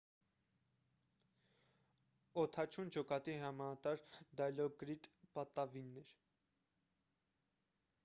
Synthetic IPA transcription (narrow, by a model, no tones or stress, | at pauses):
ɔt̪ʰɑt͡ʃʰund͡ʒɔkɑt̪iɾɑmɑnɑt̪ɑɾd̪ɑjlɔɡɾid̪pɑt̪ɑvinːɛɾ